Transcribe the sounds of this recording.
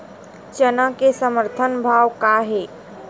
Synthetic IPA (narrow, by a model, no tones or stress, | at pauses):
t͡ʃənãkesəməɾt̪ʰənbʱaːwkaɦe